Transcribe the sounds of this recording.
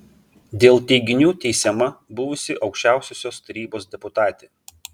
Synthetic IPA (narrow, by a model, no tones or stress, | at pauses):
d̪ʲeːlˠt̪ʲɛɪɡʲɪnʲuːt̪ʲɛɪsʲɛmɐbʊʋʊsʲɪʔɒʊkʃʲt͡ʃʲæˑʊsʲoːsʲoːst̪ɐɾʲiːboːsd̪ʲɛpʊt̪ɑːt̪ʲeː